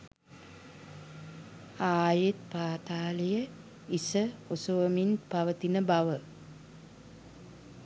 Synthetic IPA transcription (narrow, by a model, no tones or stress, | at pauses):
aːjet̪̚paːt̪aːləjə | isəosuʋəminpaʋət̪inəbaʋə